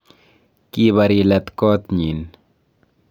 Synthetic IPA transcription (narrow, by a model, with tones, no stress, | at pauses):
kiβaɾi˧lat̪ko˦t̪ɲi˨n